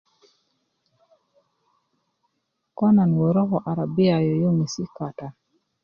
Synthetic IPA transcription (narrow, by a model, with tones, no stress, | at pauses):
kɔ˦na˨nwo˨ɾɔ˦kɔ˨ʔa˨ɾa˨bɪ˦a˨jɔ˨jo˦ŋi˨si˦ka˨ta˨